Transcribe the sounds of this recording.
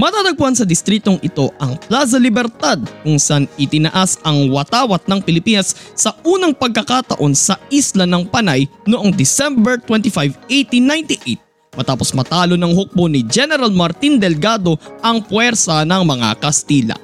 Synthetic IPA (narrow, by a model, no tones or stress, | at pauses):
mɐt̪aːt̪ɐɡ̚pʊansɐd̪ɪst̪ɾiːt̪o̞ŋʔɪt̪o̞ʔɐŋplas̬ɐlɪbɛɾt̪ad̪̚kʊŋsʔanɪt̪ɪnɐʔasɐŋwɐt̪aːwɐt̪̚nɐŋpɪlɪpiːnɐsːɐʔuːnɐŋpɐɡ̚kɐkat̪ɐ̰ʔo̞nsɐislɐnɐŋpɐnajnʊʔoŋd̪ɪsɛmbɛɹt̪wɛnt̪ɪfajvʔejt̪inːajnt̪ɪʔejt̪̚ | mɐt̪aːpo̞smɐt̪aːlo̞nɐŋhok̚bonɪd͡ʒɛnɛɾalmɐɾt̪ind̪ɛlɡad̪o̞ʔɐŋpwɛɾsɐnɐŋmɐŋa̰kɐst̪iːlɐ̰